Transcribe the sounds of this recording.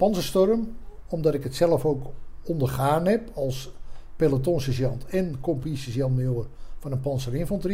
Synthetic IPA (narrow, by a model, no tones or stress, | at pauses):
pɑnzəstɔrəm | ɔmdɑtɪkɦətsɛləfowkɔndərχaːnɦɛpɑlˠspelatonsəzjɑntɛnkɔmpisəsjɑnməjoːrvɑnənpɑnsərɪnfɑntri